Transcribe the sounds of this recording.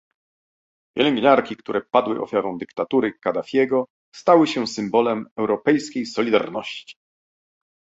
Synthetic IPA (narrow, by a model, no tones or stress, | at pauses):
pʲjɛ̰lɛŋɡɲaɾkʲikt̪uɾʔɛpad̪wɘʔɔ̰fʲjaɾɔ̃w̃d̪ɘkt̪at̪uɾɘkad̪afʲjɛɡɔ | st̪awɘɕɛsɘmbɔlɛmɛwɾɔpɛjskʲejsɔlʲid̪a̰ɾnɔɕt͡ɕi̥